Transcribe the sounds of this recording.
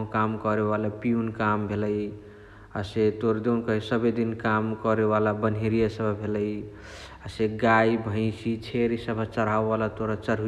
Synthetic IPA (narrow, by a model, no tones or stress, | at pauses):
kamkɔɾeβalapiunkambʱeləj | aset̪oɾd̪enkəɦisəbed̪inkamkɔɾeβalabənɦeɾijasəbʱbʱeləj | aseɡaibʱə̃ɪ̃sit͡ʃʰeɾisəbʱət͡ʃəɾawbalat̪oɾat͡ʃəɾɦu